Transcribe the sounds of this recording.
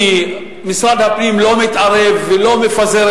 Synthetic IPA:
i | misɾad̪hapnimlomit̪aɾevːelomefazeɾ

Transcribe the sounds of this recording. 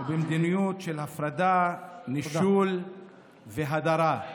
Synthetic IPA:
ubemd̪inijut̪ʃelhafɾad̪aniʃul | veɦad̪aɾa

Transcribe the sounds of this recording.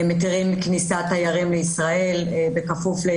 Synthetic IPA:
metiʁimːiknisat̪hajaʁimleisʁae̞lbekafufle

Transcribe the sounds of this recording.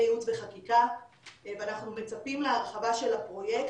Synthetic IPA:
jut͡sve̞χakika | vanaχnume̞t͡sapimleaʁχavaʃe̞lapʁo̞je̞k

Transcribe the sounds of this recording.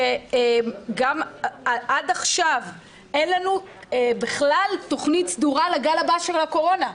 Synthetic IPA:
eemɡam | adaχʃav | e̞nlanu | ebiχlalto̞χnitt͡sd̪uʁaleɡalabaʃaʁlako̞ʁo̞na

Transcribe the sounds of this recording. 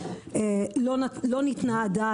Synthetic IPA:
elolo̞nit̪naːda

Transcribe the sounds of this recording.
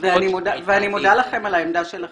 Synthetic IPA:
veanimodaveanimodalaχe̞malaemdaʃela

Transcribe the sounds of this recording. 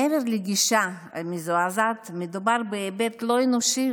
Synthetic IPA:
ɛɾɛɾlɪɡiʃamizoazat̪med̪ubaɾbəɛbɛt̪loenoʃi

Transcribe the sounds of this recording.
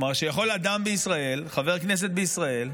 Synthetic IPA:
maʁʃejaχo̞lad̪ambeisʁaʔe̞lχave̞ʁkne̞s̬e̞t̪̚beisʁae̞l

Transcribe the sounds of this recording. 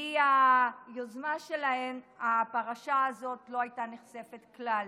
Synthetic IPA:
iajozmaʃe̞lahe̞mapaʁaʃaːzo̞tlo̞ajtaneχse̞fe̞tklal

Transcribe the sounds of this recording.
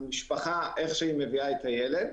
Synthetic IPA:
miʃpaχaʔe̞χʃeimeviaetʰajeled

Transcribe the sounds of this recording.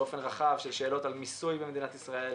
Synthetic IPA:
ofe̞nʁaχavʃelʃe̞ːlo̞talmisujbemed̪inat̪isʁae

